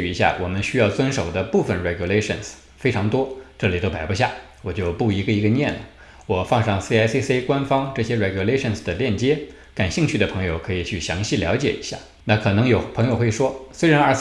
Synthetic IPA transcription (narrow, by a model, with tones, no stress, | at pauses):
i˧˥ɕja̰˥˩wʔɔ̰˨˩mə˦nɕy˥jɑ˥˩ʊt͡swə˥nʂo˨˩ʊd̪ə˦pu˥˩fə˨˩nɻɛ˧˩ɡju˨˧le˥ʂə̰˨˩ns | fe˥ɪʈ͡ʂʰɑ˧˥ŋt̪wɔ˥ʈ͡ʂɤ˥˩li˨˩t̪o˥ʊpa˨˩ɪbu˧˥ɕ̬ja˥˩ | wɔ˨˩t͡ɕjo˥˧ʊpu˥˩i˧˥ɡə˧i˧˥ɡə˧njɛ˥˩nlə̰˩ | wɔ˨˩fɑ˥˧ŋʂɑ˥˧˩ŋsi˥a˥se˥se˥kwa˥nfɑ˥ŋʈ͡ʂɤ˥˩ɕjɛ˥ɻɛ˧˩ɡju˨˩le˥ɪʂə˥˩nsd̪ə˩ljɛ˥˩nt͡ɕjɛ˥ | ka˨˩nɕi˥˧ŋt͡ɕʰy˥˩d̪ə˩pʰɤ˧˥ŋjo˧ʊkʰɤ˧˥i˨˩t͡ɕʰy˥˩ɕjɑ˧˥ŋɕi˥˩ljɑ˧˥ʊt͡ɕjɛ̰˨˩ḭ˧˥ɕja̰˥˩ | na˥˩kʰɤ˨˩nɤ˧˥ŋjo˨˩ʊpʰɤ˧˥ŋjo˧ʊxwe˥˩ɪʂwɔ˥swe˥ɪɻa˧˥na˞˥˧˩